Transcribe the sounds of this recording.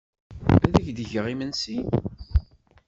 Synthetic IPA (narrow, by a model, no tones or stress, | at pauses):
æðæçd̪əʝəʁimənsi